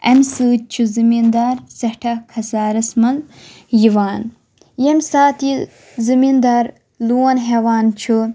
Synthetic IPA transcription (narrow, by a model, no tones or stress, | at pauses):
ɐ̰msɨːt͡ʃʰuzimind̪aːɾsɐhʈʰɐkʰɐsaːɾɐsmɐl | jiʋaːn | jemsaːt̪i | zimind̪aːɾ | luwɐnɦeʋaːnt͡ʃʰu